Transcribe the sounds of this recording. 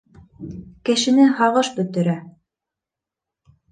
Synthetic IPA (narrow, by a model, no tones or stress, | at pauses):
kɘ̆ʃɘ̆nɘɦɑʁɤʃbɵ̆t̪ɘ̆ɾæ